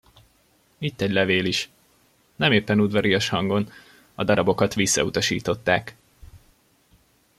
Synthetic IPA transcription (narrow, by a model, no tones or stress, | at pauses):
it̪ːɛɟlɛveːliʃ | nɛmeːpːɛnud̪ʋɒɾiɒʃhɒŋɡo̞n | ɒd̪ɒɾɒbo̞kɒt̪ʋisːɒ̰ut̪ɒʃḭːt̪o̞t̪ːaːk